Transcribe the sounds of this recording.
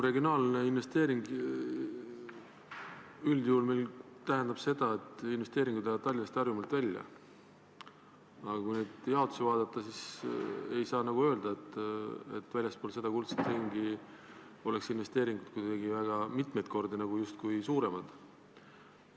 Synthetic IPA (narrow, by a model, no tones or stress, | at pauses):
re̞ɡionɑːlneinvest̪e̞ːɾiŋɡ | yld̪̥juːlme̞jlt̪æɦend̪̥ɑb̥se̞d̪̥ɑe̞t̪ːˑinve̞st̪e̞ːɾiŋɡud̪eɑd̪̚t̪ːɑlʲːinɑst̪ɑrjumɑlt̪vælʲːjɑ̰ | ɑɑkujneːd̪̥jɑo̞t̪ːˑu̥sivɑːd̪̥ɑt̪ːˑɑsise̞jsɑːnɑɡ̥uø̞ːld̪̥ɑet̪ːe̞̰t̪ːvælʲjɑspoːlse̞d̪ɑkult̪set̪riŋɡi | o̞le̞ksinve̞st̪e̞ːɾiŋɡ̥ud̪̥̚kujd̪̥ɑɡivæɡ̥ɑmit̪mejd̪̚kʰo̞rd̪inɑɡ̥ujust̪̚kujsuːɾe̞mɑd̪̥